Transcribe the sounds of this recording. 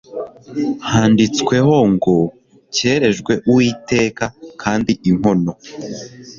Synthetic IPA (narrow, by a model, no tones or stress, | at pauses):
haːndit͡skwe̞ho̞ŋɡo | ce̞ːɾe̞ʒɡwe̞ʔuwiːte̞ːkakʰaːndiʔiŋ̥ho̞no̞